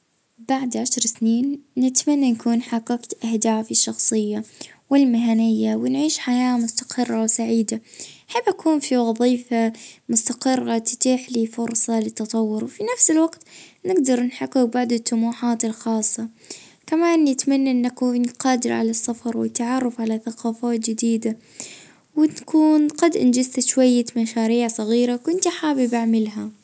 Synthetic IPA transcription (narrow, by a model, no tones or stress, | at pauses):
baʕd̪ʕaʃɾˤsniːnːɪt̪manːanakuːnħaqːɑqt̪ʔahd̪aːfɪʃːɑxsˤɨjːawɪlmɪɦanɪjːawɪnʕiːʃħajaːmʊst̪ḁqʰɪrˤːawsaʕiːd̪aħɪbʔakʰuːnfiwɑðˤiːfamʊst̪aqɪrːat̪ɪ̥t̪ˤiːħliːfʊɾˤsˤɑlɪt̪ːɑt̪ˤɑwːʊɾwfinafsɪlwaɡt̪nɪɡd̪ɑɾˤnħakːʊbaʕd̪ʊt̪ːʊmuːħaːt̪ɪlxɑːsˤːɑ | kamaːnːɪt̪manːaʔɪnːʔakuːnqɑːd̪ɪɾʕa̰lasːɑfɑɾˤwɪ̰t̪ːaʕɑrˤːɑfʕalaθaqaːfaːt̪d͡ʒɪd̪iːd̪a | wɪkʰuːnqɑd̪ʔɪnd͡ʒɪst̪aʃwajːamaʃaːɾiːʕsˤɑɣiːɾakʊnt̪iħaːbɪbaʕmɪlɦa